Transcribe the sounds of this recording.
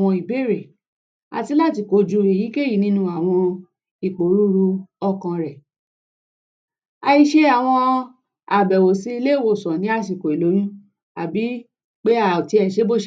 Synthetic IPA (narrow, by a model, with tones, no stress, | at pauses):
ɔ̃˧i˨be˦ɾe˨ | a̰˨˧ti˧˦la˦˨ti˧˨ko˨d͡ʒu˧e˨ji˨˦ke˦ji˨˦nĩ˦nũ˧˦a˨w̃ɔ̃˧ | i˨k͡po˨ɾu˦ɾu˧ɔ˧kã˧ɾɛ˨ | a˧i˧ʃe˦a˨w̃ɔ̃˧ | a˨bɛ˨wo˨si˧˦˧le˦˨wo˨sɔ̃˨nĩ˨˦a˧ʃi˨ko˨i˨lo˨˦j̃ĩ˦ | a˨bi˨˦ | k͡pe˦a˨ti˧˦ɛ˨ʃe˦bo˦ʃ